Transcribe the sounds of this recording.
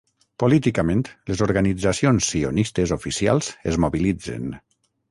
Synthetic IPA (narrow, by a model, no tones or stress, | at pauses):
polit̪ikamẽnt̪lezoɾɣanid͡zasionsːionist̪ezofisia̰lˠz̥ezmoβilid͡zḛn